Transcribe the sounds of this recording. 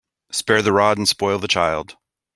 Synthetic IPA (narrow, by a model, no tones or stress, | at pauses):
spɛɹðɨɹɑɾn̩spɔɪlˠðət͡ʃʰaɪlˠd̥